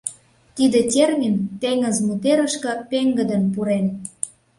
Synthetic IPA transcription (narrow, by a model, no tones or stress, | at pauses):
t̪id̪etʲermint̪eŋəzmut̪eɾə̆ʃkə̆peŋɡə̆d̪ə̆npuɾen